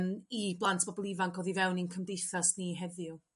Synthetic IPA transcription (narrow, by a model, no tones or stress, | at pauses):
miblˠantʰb̥ɔbɔlˠivaŋkɔðivɛwninkʰəmdejθasniɦɛðɪʊ